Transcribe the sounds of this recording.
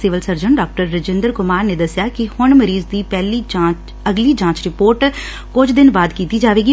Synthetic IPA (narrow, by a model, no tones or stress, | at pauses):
siːʋəlsəɾd͡ʒənɖaːk̚ʈəɾːəd͡ʒɪ̃nd̪əɾkʊmaːɾneːd̪əsjaːkɪhʊɳməɾiːzd̪iːpɛːliːd͡ʒãːt͡ʃ | əɡliːd͡ʒãːt͡ʃɾɪpoːɾʈ | kʊd͡ʒʰd̪ɪnʋaːd̪kiːt̪iːd͡ʒaːʋeːɡiː